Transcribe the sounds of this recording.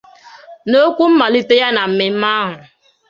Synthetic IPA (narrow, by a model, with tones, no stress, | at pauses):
no˦kʷu˦m̩˦ma˨li˦te˦ja˦na˨m̩˨mɪ˨m̩˦ma˦ɦʊ˨